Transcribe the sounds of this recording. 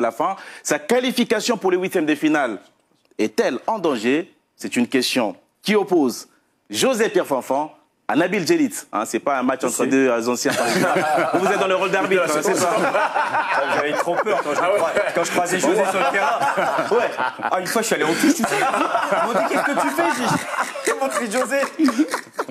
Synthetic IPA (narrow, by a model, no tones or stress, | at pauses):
lafɛ̃sakalifikasjɔ̃puʁləwit̪jɛmd̪əfinal | ɛt̪ɛlɑ̃d̪ɑ̃ʒe | sɛt̪ynkʲɛst̪jɔ̃ | kʲiopoz | ʒozɛpjɛʁfɑ̃fɑ̃ | a̰nabilʒelit̪ɛ̰̃sɛpaɛ̃mat͡ʃɑ̃t̪χəd̪øzɑ̃sjɛ̃ | uvuzɛt̪̚d̪ɑ̃ləʁold̪aʁbisɛsa | aʒavɛt̪χopøʁkɑ̃ʒakɑ̃ʒəkχwazɛʒoɛsyʁlət̪eʁɛ̃wɛaynfwaʃyaleõfisi | ɔ̃ekʲɛskəyfɛʒikɛmɑ̃t̪χiʒoze